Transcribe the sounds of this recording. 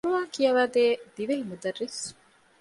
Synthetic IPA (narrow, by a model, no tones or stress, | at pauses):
ɾuʋaːŋkijɐʋæːd̪eːd̪iʋeɦimud̪ɐrːis